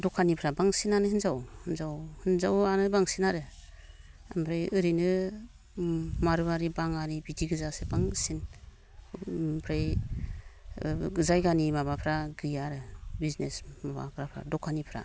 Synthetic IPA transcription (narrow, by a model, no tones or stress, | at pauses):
dɔkʰːanipʰɾabaŋsinanɯhɯnzawhɯnzawhɯnzawanɯbaŋsinaɾɯ | ampʰɾajɯɾinɯ | maɾɯaɾibaŋaɾibidiɡɯzasebaŋsin | pʰɾaj | zajɡanimabapʰɾaɡɯjaɾɯbiznesmaba̰ɡɾapʰɾa̰dɔkʰanipʰɾa̰